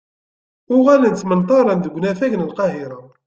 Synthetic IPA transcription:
ʊʁælənt͡s̪ːmənt̪ˤɑɾˤɑnd̪əɡʷːnæθæʝənəlqɑɦɪɾa

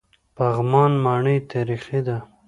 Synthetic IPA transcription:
paɣmɑnmɑɳəjt̪aɾixid̪a

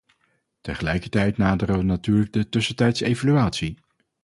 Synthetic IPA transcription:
təχəlɛjkəɹtɛjtnaːdəɾəʋənatyːɹləɡ̚dətɵsəntɛjtsejvalyaːtsi

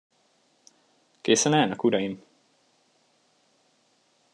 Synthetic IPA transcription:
keːsɛnaːnɒkuɾɒjim

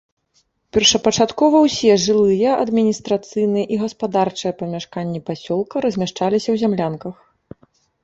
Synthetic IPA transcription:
pʲɛrʂɐpɐt͡ʂat̪kɔvɐwsʲɛʐɨlˠɨjɐʔɐd̪mʲinʲist̪ɾat̪sɨjnɨjɐʔiɣɐspad̪art͡ʂɨjɐpɐmʲaʂkanʲːipasʲɔlˠkɐɾɐzʲmʲaʂt͡ʂalʲisʲɐwzʲamlʲankɐx

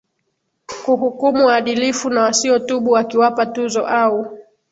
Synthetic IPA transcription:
kuɦukumuwaːɗilifunawasiɔtuɓuwakiwapatuzɔ̰ʔau

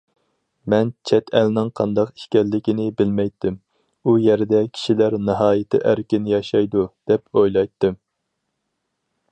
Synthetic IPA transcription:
mɛnt͡ʃʰɛt̪ʰɛlnɪŋqʰɑ̰nd̪ɑqi̥ʃkʲɛɾlːɪkʲɪnɪbɪlmɛjt̪ːɪm | ujɛɾd̪ɛkʲʰi̥ʃilæɾnɨɦɑːjɪt̪ʰɪ̰ʔæɾkʲɪnɪjɑʃɑjd̪ud̪̥ɛpʰojlˠɑjt̪ːɨm

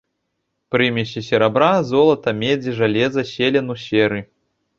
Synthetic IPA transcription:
pɾɨmʲɛɕʲisʲɛɾabɾazɔlˠɐt̪ɐmʲed͡zʲiʐalʲɛzɐsʲelʲɛnusʲɛɾɨ

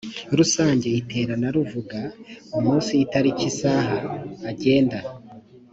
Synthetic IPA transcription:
ɾusaːɲɟe̞itʰe̞ːɾanaɾuvuɡaumuːnsiːtaɾicisaːɦaːɟe̞ːnda

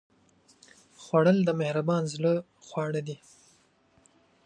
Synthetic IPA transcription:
xwaɽəld̪əmɪhɾabɑnzlə | xwɑɽad̪i

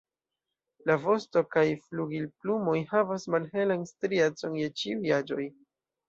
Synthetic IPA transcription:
lavo̞sto̞kajfluɡilplumo̞jhavasmalhe̞lanstɾiet͡so̞nje̞t͡ʃiujad͡ʒo̞j

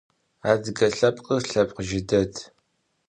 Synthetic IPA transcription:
aːdɨɡɐɬɐpqʼəɬɐp̚ʼqəʒɪdɐdʰ

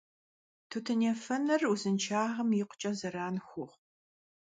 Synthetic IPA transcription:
tʰutʰɨneːfɐnɨruzɨnt͡ʃʰaːʁɐmjɪqʷʊ̥t͡ʃʼɐzɐɾaːnxʷʊʁ

